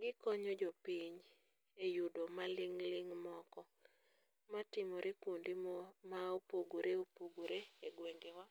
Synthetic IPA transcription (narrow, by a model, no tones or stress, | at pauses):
ɡɪkɔɲod͡ʒopiɲ | ejudomalɪŋlɪŋmɔkɔ | matɪmɔɾʔekondimaopoɡoɾeopoɡoɾeeɡweŋɡewa